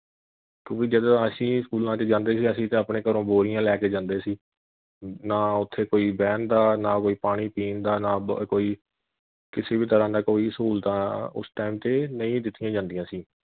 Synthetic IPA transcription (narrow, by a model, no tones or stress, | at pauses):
kjõːkɪd͡ʒəd̪ãəsĩːskuːlãːt͡ʃed͡ʒãːnd̪eːsiːəsĩːt̪ẽːəpɳẽːkəɾõːboːɾɪjãːlɛːkeːd͡ʒãːnd̪eːsiː | naːʊt̪ʰːeːkoːiːbɛːnd̪aːnaːkoːiːpaːɽ̃iːpiːnd̪aːnaːkoːiː | kɪseːbiːt̪əɾãːd̪aːkoːiːskuːlt̪ãːʊ̰sʈaːɪmt̪eːnəĩːd̪ɪt̪ʰːɪjãːd͡ʒãːnd̪ɪjãːsiː